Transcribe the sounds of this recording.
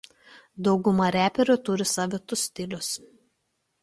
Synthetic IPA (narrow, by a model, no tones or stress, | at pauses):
d̪ɒʊɡʊmɐɾʲæːpʲɛɾʲʊˑt̪ʊɾʲɪsɑːʋʲɪt̪ʊsʲt̪ʲɪlʲʊs